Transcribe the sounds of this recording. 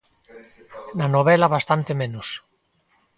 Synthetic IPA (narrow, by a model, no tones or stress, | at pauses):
nanoβelaβast̪ant̪emẽnus